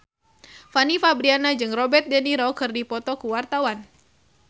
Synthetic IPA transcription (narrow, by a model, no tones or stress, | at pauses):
fanifabɾianad͡ʒɨŋrɔbɛrt̪̚dɛniɾɔkɨrdipɔt̪ɔkuwart̪awan